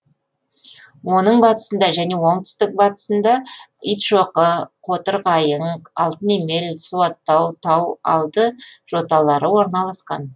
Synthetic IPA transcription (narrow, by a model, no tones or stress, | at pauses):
wo̞nəɴbɑt̪ə̥sənd̪ɑʒæne̞woɴt̪ʰʏ̥st̪ɪk̚bɑt̪ə̥sənd̪ɑijt̪ʃo̞qəqʰo̞t̪əɾʁɑjəɴɑlˠt̪əne̞me̞lsuwɑt̪ːɑwt̪ʰɑw̪ɑ̰lˠd̪əʒ̥o̞t̪ɑlˠɑɾəwo̞ɾnɑlˠɑsqɑ̰n